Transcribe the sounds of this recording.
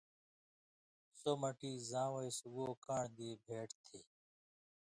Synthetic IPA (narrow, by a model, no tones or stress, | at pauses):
soːməʈiːzãːʋəisɡoːkaːɳd̪eːbʱeːʈt̪ʰeː